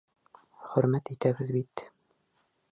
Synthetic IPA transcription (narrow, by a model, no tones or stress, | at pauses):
χɵ̆ɾmæt̪it̪æbɘðbit̪